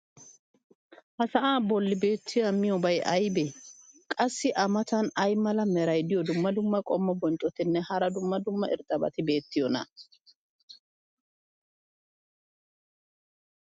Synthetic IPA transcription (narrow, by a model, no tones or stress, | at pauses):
hɐsɐʔaːbɔlːɪbe̞ːt̪ʰːɪjamɪjɔbɐjʔɐjbɛkʼɐsːɪʔɐmɐt̪ɐnɐjmɐlɐmɛɾɐjd̪ɪjɔd̪ʊmːɐd̪ʊmːɐkʼɔmːɔbɔnt͡ʃʼɔt̪ɪnːɛhɐɾɐd̪ʊmːɐd̪ʊmːɐʔɪ̰ɾt̪ʼːɐbɐ̰t̪ɪbe̞ːt̪ːɪjɔnɐ̰